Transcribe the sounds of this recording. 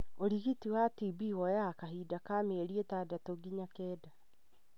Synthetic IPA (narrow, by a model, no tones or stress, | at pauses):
oɾiɣitiwatibiwɔjakaɦidakaːmeeɾietadatoɡiɲakɛːda